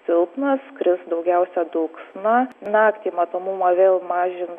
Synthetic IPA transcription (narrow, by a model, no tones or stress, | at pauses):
sʲɪlˠpnɐskɾʲɪsd̪ɐʊɡʲɛʊsʲɛd̪ʊːksnɑnɑːkt̪ʲiːmɐt̪oːmumɐʋʲeːlˠmɑːʒʲɪn